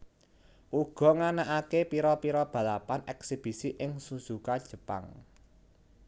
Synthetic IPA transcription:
ʔuɡ̥ɔ̤ŋanaʔakepiɾɔpiɾɔb̥ä̤lapanɛksib̥i̤siʔɪŋsusukad̥ʒ̥ə̤pa̰ŋ

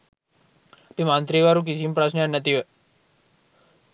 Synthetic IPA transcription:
apimãnt̪ɾiʋaɾũk̬is̬impɾasnəanːət̪iɦo

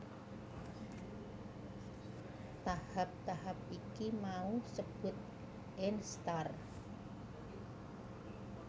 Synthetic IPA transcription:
t̪ahap̚t̪aɦap̚ikimausəb̥ʊ̤t̪̚ | ɛnst̪ar

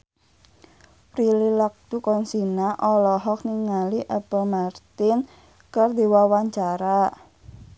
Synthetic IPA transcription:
pɾililak̚d̪̥ukɔnsinaʔɔlɔɦɔk̚niŋaliʔɛpəlmart̪ɪn | kərd̪e̤wawaɲt͡ʃaɾa

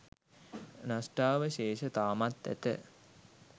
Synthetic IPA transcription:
nasʈaːʋəʃeːʃət̪aːmat̪ːæ̰t̪ə̰

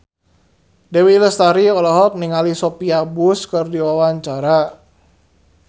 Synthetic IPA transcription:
dewiləst̪aɾiɔlɔɦɔk̚niŋalisopiabʊskərdiwawaɲt͡ʃaɾa

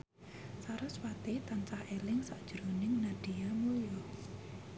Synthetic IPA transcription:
saɾʊswat̪et̪ant͡ʃahʔelɪŋsaʔd̥ʒ̥ɾonɪŋnaɖ̥ijamulijɔ

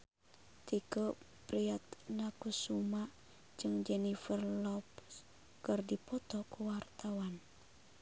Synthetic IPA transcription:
t̪ikə | pɾiat̪̚nakusuma | d͡ʒɨŋd͡ʒɛnifərlɔp̚ | kərdipɔt̪ɔkuwart̪awan

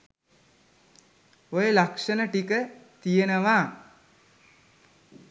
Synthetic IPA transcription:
ojəlakʂənəʈikət̪ijenəʋaː

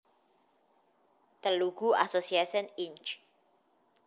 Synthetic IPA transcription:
t̪əluɡuʔa̰sosiasɔnint͡ʃ

